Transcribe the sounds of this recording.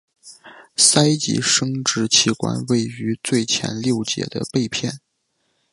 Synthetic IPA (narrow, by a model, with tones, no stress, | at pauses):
sa˥ɪt͡ɕḭ˧˥ʂɤ˥ŋʈ͡ʂɻ̩˧˥t͡ɕʰi˧˥kwa̰˥nwe˥˩ɪy˧˥t͡swe˥˩ɪt͡ɕʰjɛ̰˧˥nljo˥˩ʊt͡ɕjɛ̰˧˥d̪ə̰˧pe˥˧ɪpʰjɛ˥˩n